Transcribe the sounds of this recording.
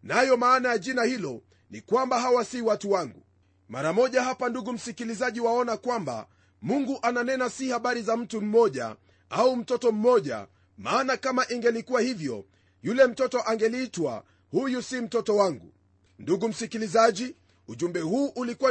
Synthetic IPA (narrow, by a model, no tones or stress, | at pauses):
najɔmaːnajaʄinahilɔ | nikwambaɦawasiwatuwaŋɡṵ | maɾamɔʄaɦapanduɡum̩sikilizaʄiwaɔnakwamba̰ | muŋɡuʔananɛnasihaɓaɾizam̩tum̩mɔʄa̰ | aum̩tɔtɔm̩mɔʄa̰ | maːnakamaʔiŋɡɛlikuwahivjɔ̰ | julɛm̩tɔtɔʔaŋɡɛlitwa̰ | hujusim̩tɔtɔwaŋɡu | nduɡum̩sikilizaʄi | uʄumbɛhuːʔulikuwa